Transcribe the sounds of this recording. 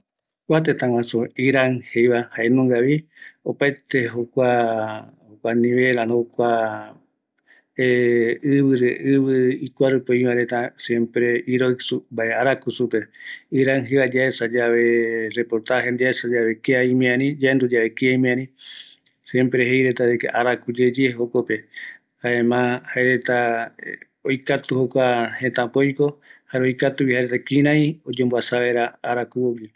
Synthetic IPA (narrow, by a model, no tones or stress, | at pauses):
kʷat̪et̪ãw̃ãsoiɾaŋhejβahaenõŋɡaβi | opaet̪eɦokʷa | hokʷanĩβeɾanokʷa | eɨβɨɾeʔɨβɨikʷaɾɨpoĩβãɾet̪ãsjẽmpɾeiɾojsumbaeaɾakusupeiɾaŋɦejβad͡ʒaesad͡ʒaβerepoɾt̪aɦend̪iaesad͡ʒaβekaĩmẽãnĩd͡ʒaend̪ud͡ʒaβekeaĩmẽãnĩ | sẽmpɾeɦejɾet̪at̪ekḛʔaɾakud͡ʒed͡ʒeɦokope̞ | haemãhaeɾe̞t̪a | ojkat̪uhokʷahẽt̪ãpojkohaɾeojkat̪uβihaɾet̪akĩɾ̃ãĩod͡ʒembwasaβeɾaaɾakuoɡi